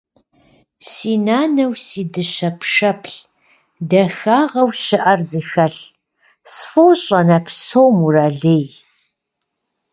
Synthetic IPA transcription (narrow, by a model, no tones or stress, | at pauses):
siːnaːnɐwsiːdɨɕɐpʰʂɐpʰɬ | dɐxaːʁɐwɕɪʔɐrzɨxɐɬ | sfowɕʼɐnɐpʰsoːwmuraːɮeːj